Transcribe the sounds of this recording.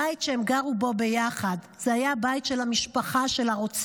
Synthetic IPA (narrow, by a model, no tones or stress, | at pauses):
aitʃeemɡaʁubo̞be̞jaχad | z̥ehajabajtʃelhamiʃpaχaʃe̞laʁot͡s